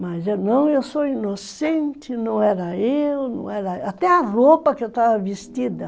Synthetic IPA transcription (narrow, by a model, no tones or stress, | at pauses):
mɐzenɐ̃w̃ewsoinosẽnt͡ʃɪnɐ̃w̃ɛɾɐewnɐ̰̃w̃ɛɾɐat̪ɛɐropɐkɪewt̪avɐvist͡ʃid̪ɐ